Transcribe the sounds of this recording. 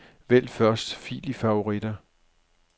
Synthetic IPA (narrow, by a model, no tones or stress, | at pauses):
ʋel̰fɶɐsd̥fḭːlifɑ̈o̝ʁid̥ɐ